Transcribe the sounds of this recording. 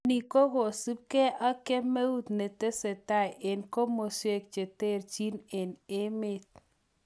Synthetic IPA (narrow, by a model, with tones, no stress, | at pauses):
ni˨ko˦ɣo˨su˦p̚kɛ˦ʔa˦ke˦me˦u˦t̪ne˨te˦se˨ta˦˨je˨nko˦mo˨swe˦˨k̚t͡ʃe˨te˦˨ɾt͡ʃi˦ne˨nɪ˦mɪ˦t̪̚